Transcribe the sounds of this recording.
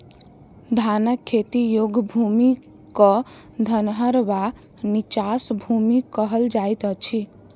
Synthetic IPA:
d̪ʱanəkʰːet̪ijoɡbʱumi | kɔ | d̪ʱənɦəɾba | nit͡ʃasbʱumikəɦəld͡ʒajt̪ət͡ʃʰi

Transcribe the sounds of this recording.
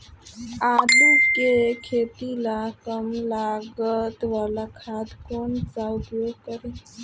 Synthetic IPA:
alukekʰet̪ilakəmlaɡət̪ʋalakʰad̪kont͡sawd̪okəɾe

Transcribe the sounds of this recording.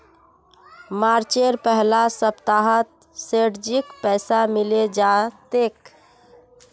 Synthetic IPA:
maɾt͡ʃeɾpəɦlasəpt̪aɦət̪̚ | seʈd͡ʒikpɛɪsamiled͡ʒat̪ek

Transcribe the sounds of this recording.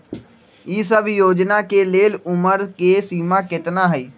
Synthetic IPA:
iːs̬əbjoːd͡ʒnakeleːlʊməɾkesiːmakɪt̪naɦɛiː

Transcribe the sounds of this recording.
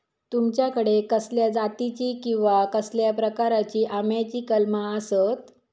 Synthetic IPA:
t̪umt͡ɕjakəɽekəsljad͡zat̪it͡ɕiːkĩw̃ʋakəsljapɾəkaɾat͡ɕiːʔamjat͡ɕiːkəlmaəsət̪

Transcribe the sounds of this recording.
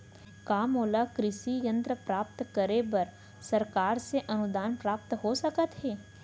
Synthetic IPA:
kaːmoːlakɾɪʃijə̃nt̪ɾəpɾaːpt̪kəɾebɐɾ | sɐɾkaːɾseʔɐnʊd̪aːnpɾaːp̚t̪ɦosəkət̪ɦɛː

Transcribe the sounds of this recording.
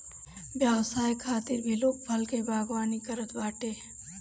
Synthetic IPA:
bjaːwsaːjkʰaːt̪ɪɾbʱiloːk̚bʰʱɐlkebaːɡwaːnikɐɾət̪baːʈe

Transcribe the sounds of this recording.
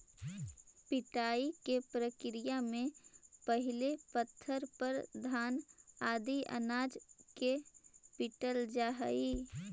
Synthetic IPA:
pɪʈaːikepɾəkɪɾɪijamẽpəɦɪlepət̪ʰːəɾpəɾd̪ʱaːnaːd̪iə̰naːd͡ʒkepɪʈəld͡ʒaːɦə̰iː

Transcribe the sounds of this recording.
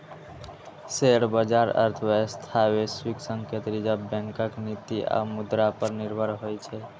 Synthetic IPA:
seːɽbəd͡ʒaːɾə̰ɾt̪ʰʋest̪ʰaːweswiksə̃ŋket̪ɾid͡ʒabɛ̃ŋkəknit̪iʔa̰mʊd̪ɾapəɾnɪɾbʱəɾɦojt͡ʃʰɛ

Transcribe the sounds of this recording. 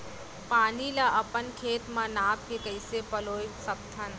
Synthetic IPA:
paːnilaʔɐpənkʰeːt̪mãnaːp̚kekəɪsepɐloːjsɐb̚t̪ʰən

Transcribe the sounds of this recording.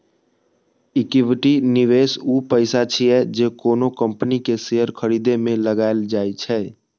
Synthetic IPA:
ɪkɪʋɪʈinɪʋeːsuːpəɪsat͡ʃʰiɛd͡ʒeːkoːnokə̃mpnikeseɦəɾkʰəɾiːd̪emẽləɡaːeld͡ʒaːet͡ʃʰɛː

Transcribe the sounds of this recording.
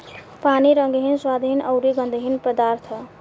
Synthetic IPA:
paniɾʌŋɡɦinswad̪ʱɦinʔʌwɾiɡʌnd̪ʱɦinpəd̪aɾt̪ʰə

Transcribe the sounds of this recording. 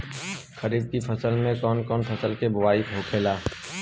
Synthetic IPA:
xəɾiːd̪̚kipʰəsəlmẽkɔːnkɔːnpʰəsəlkebʊwaːikɦokʰeːlaː

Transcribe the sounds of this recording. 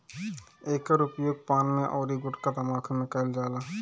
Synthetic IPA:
eːkəɾʊpjoːɡ̚paːnmẽʔɔːɾiɡʊʈkad̪əmaːkʰnɪ̃kəld͡ʒaːlaː

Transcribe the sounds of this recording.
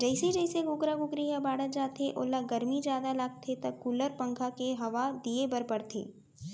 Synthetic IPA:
d͡ʒɐɪsed͡ʒəɪseɡʊkɾaɡʊkɾijabaːɽəd͡ʒaːt̪ʰeʔolaɡɐɾmid͡ʒjaːd̪alaɡt̪ʰet̪ɐkkːuːləɾpə̃ŋkʰakeɦɐʋad̪iebɐɾpəɾt̪ʰḛː

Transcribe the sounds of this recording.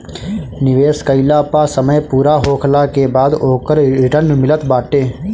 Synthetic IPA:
nɪʋeːskəɪlaːpasəməjpuːɾaɦoːkʰlakebaːd̪oːkəɾɾɪʈəɾnmɪlət̪baːʈeː

